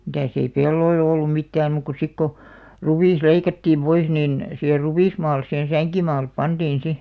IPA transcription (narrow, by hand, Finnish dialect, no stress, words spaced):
mitæˑs ei pelːoil olːum mitːæːm muːk ku sik ko ruʋiˑs leikɑtːiːm pois niˑn siher ruʋiˑsmɑːlˑes sihen̞ sæŋkimɑːlep pɑntiːn si